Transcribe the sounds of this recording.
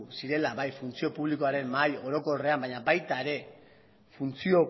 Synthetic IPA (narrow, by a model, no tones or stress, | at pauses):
usiɾe̞laβajfunt͡sio̞puβliko̞aɾe̞mːajo̞ɾo̞ko̞re̞ambaɲabajt̪aeɾe̞ | funt͡sio̞